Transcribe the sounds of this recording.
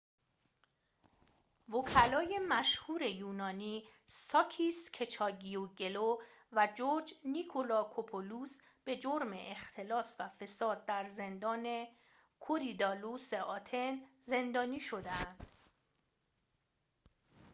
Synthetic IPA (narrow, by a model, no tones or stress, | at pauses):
vokʰælɒːje̞mæʃhuːɾe̞juːnɒːniːsɒːcʰiːscʰe̞t͡ʃʰɒːɟioɟe̞lovæd͡ʒoɾd͡ʒnikʰolɒːkʰopʰoluːs | b̥e̞d͡ʒoɾmḛʔext̪ʰe̞lɒːsvæfe̞sɒːd̪̚ːæɾze̞nd̪ɒːne̞ | kʰoɾid̪ɒːluseʔɒːt̪ʰenze̞nd̪ɒːniːʃo̞d̪eænd̪̥